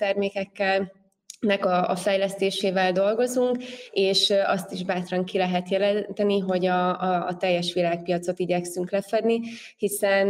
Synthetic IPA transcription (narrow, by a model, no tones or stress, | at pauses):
t̪ɛrmeːkɛkːɛl | nɛkɒɒfɛjlɛst̪eːʃeːvɛld̪o̞lɡo̞zuŋkeːʃɒst̪iʒbaːt̪rɒŋkilɛɦɛt̪jɛlɛnt̪ɛniɦo̞ɟɒ̰ːt̪ɛjːɛʃʋilaːk̚pijɒt̪so̞t̪iɟɛksyŋklɛfɛd̪ni | hisɛn